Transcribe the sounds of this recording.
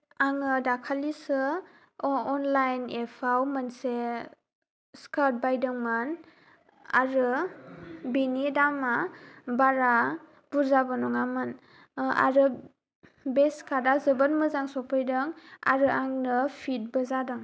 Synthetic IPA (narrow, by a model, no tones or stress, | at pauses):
aŋɯdakʰalisɯ | ɔnlajnepʰawmanse | skat̚bajdɯŋman | a̰ɾɯ | binidamabaɾa | b̥uɾzabɯnɔŋamɯn | a̰ɾɯ | beskʰadazɯbanmɯzaŋsɔpʰɯjdɯŋa̰ɾɯaŋnɯpʰit̚bɯzadɯŋ